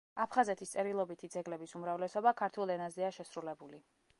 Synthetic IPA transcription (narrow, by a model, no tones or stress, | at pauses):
apʰχazɛt̪ʰist̪sʼɛɾilˠɔbit̪ʰid̪zɛɡlɛbisumɾavlɛsɔbakʰaɾt̪ʰulˠɛnazɛaʃɛsɾulɛbuli